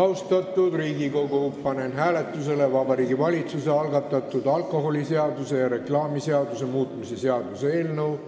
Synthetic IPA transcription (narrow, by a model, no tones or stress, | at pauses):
ɑwst̪ɑt̪ːˑud̪riːɡiko̞ɡuupːɑnenɦæːle̞t̪ːˑus̬e̞levɑbɑɾiːɡivɑlʲit̪suse̞ɑlɡɑt̪ˑːɑt̪ːˑud̪̥ɑlkˑo̞ɦo̞lʲise̞ɑd̪use̞jɑɾe̞klɑːmiseɑd̪use̞muːt̪ˑmise̞seɑd̪̥usee̞ːlnəw